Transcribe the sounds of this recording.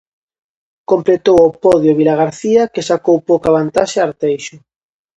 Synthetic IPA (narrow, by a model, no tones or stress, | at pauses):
komplet̪owopɔðjʊβilaɣaɾθiɐkesakowpowkaβ̞ant̪aʃaaɾt̪ejʃʊ